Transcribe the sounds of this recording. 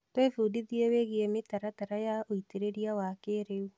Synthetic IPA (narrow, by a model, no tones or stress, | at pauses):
twefudiðieweɣiemetaɾataɾajaoiteɾeɾiawakeɾeu